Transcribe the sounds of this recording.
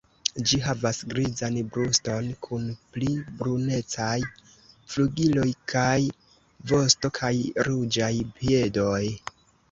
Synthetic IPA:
d͡ʒiɦavasɡɾizanbɾusto̞nkʰunplibɾune̞t͡saj | fluɡilo̞jkʰaj | vo̞sto̞kʰajɾud͡ʒajpie̞do̞j

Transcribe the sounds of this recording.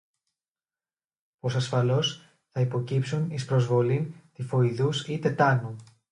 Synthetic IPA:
po̞sɐsfɐlo̞s | θɐipo̞cipsunispɾo̞zvo̞lint̪ifo̞iðusit̪e̞t̪ɐnu

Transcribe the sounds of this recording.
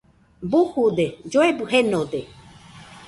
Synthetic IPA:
buhud̪ed͡ʒoebɨhenod̪e

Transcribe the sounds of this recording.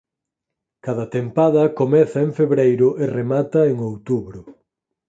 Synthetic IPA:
kaðɐt̪empaðɐkomɛθɐeŋfeβɾejɾʊʔeremat̪ɐeŋowt̪uβɾʊ

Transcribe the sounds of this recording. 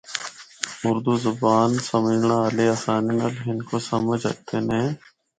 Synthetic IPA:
ʊɾd̪uːzʊbaːnsəməd͡ʒɳaːaːleaːsaːnenəlɦɪnkoːsəməd͡ʒə̰k̚t̪ʰeːnɛ̃ː

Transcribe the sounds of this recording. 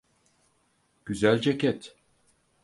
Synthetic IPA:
ɟ̥yzælʲd͡ʒecɛt̪

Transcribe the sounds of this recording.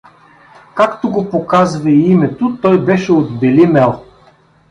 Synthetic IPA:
kakt̪oɡopokazvɐiimɛt̪ot̪ɔjbɛʃɛod̪bɛlimɛlˠ

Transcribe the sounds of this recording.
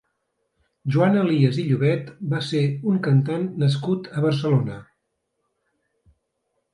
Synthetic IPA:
ʒuanəliəziʎuβɛt̪baseuŋkənt̪anːəs̬kut̪əβəɾsəlonə

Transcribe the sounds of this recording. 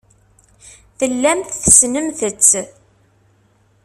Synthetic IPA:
θəlːæmθθsnəmθət͡sː

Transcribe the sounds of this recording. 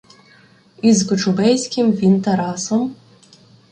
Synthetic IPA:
izɡɔt͡ʃʊbɛjsʲkʲɪmʋʲint̪ɐɾɑsɔm

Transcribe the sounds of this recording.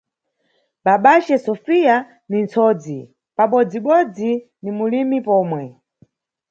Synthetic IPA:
ɓaɓat͡ʃɛsɔfija | nint͡sʰɔd͡zi | paɓɔd͡ziɓɔd͡zi | nimulimipɔːmwɛ

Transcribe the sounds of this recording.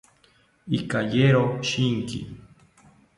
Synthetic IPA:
ikajeɾoʃiŋkḭ

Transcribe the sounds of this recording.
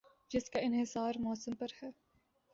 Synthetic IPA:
d͡ʒɪskaɪnɦɪsaːɾmɔːsəmpɐɾhɛː

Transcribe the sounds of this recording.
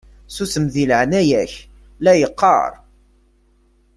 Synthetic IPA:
susəmðiləʕnæjæç | læjəqːɑ̰ɾˤ

